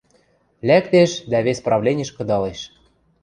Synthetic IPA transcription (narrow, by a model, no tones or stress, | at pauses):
lʲækt̪eʃd̪æβʲesʲprɑvlʲenʲĕʃkɤ̆d̪ɑleʃ